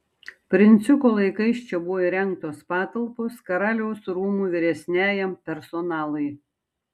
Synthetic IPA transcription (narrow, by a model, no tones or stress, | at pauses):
pʲɾʲɪnʲt̪sʲʊkoːlˠɐɪkɐɪʃt͡ʃʲɛbʊʋoiɾʲɛŋk̚t̪oːspɑːt̪ɐlˠposkɐɾɑːlʲɛʊsɾuːmuːʋʲɪɾʲɛsʲnʲæːjɛmpʲɛɾsɔnɑːlˠɐɪ